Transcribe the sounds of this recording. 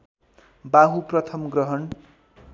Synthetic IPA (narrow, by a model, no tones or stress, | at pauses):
baɦuprʌt̪ʰʌmɡrʌɦʌn